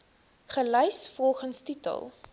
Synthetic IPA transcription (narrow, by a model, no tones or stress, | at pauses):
χəlœjsfɔlˠχənstitə̰lˠ